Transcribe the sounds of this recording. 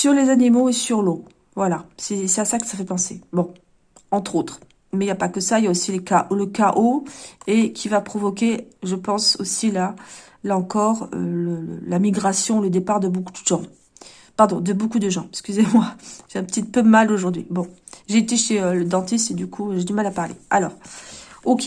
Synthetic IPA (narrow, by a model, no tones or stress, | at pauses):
syʁlezanimoesyʁlo | vwalasɛsɛasakʲi̥safɛpɑ̃sebɔ̃ | ɑ̃t̪χot̪χ | mɛijapakəsailjaosiləkaʔləkaʔoekʲʰivapχɔvɔkʲeʒəpɑ̃sosila | laɑ̃kɔʁø̰lələ̰lamiɡʁasjɔ̃ləd̪epaʁd̪əbokud̪d̪əʒɑ̃ | paʁd̪ɔ̃d̪əbokud̪əʒɑ̃ɛskʲyzemwaʒ̥eɛ̃pət̪it̪pømaloʒuʁd̪ɥḭbɔ̃ | ʒeːt̪eʃeøləd̪ɑ̃t̪ist̪ed̪ykʰuʒed̪ymalapaʁlḛalɔ̰ːʁ | okʲe